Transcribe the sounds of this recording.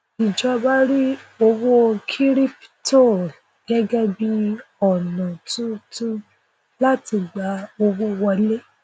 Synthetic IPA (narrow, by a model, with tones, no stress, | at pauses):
i˨d͡ʒɔ˧ba˦ɾi˦o˧wo˦kʰi˦ɾi˦pto˦˨ | ɡ̥ɛ˦ɡɛ˦bi˧ɔ˨nã˨tũ˦tũ˦ | la˦ti˧ɡ͡ba˨˦o˧wo˦wɔ˧le˦